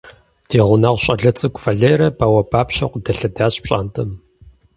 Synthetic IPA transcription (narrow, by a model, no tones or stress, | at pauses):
dʰeːʁʷʊnɐʁʷɕʼɐɮɐt͡sʼɨkʷʼfɐɮeːɾɐpʰawɐpʰaːpɕɐqʷʊdɐɬɐdaːɕɕʼa̰ːntʼʰɐm